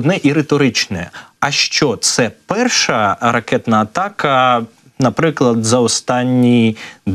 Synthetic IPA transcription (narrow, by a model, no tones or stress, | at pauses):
d̪nɛʔiɾet̪ɔɾɪt͡ʃnɛ̰ɐʃt͡ʃɔt̪sɛpɛrʃɐɾɐkɛt̪nɐːt̪ɑkɐ | nɐpɾɪklˠɐd̪zɐɔst̪ɑnʲːid̪